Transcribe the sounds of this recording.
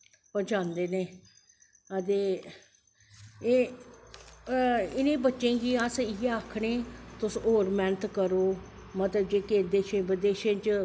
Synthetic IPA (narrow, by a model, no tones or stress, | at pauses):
pət͡ʃãːnd̪eːneː | ət̪eː | eː | ɪnẽːbətːʃẽːkiːəsɪeaːkʰɽeːt̪ʊsoːɾmɛːnət̪ʰkəɾoːmət̪ləb̚d͡ʒeːkeːd̪eːʃẽːbəd̪eːʃẽːt͡ʃ